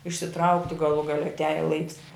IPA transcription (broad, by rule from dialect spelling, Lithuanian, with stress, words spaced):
ɪʃʲsʲɪˈtrɐʊktʲɪ ɡɐˈlˠuː ɡɐˈlʲɛ ɐtʲˈæːjɛ lˠɐɪks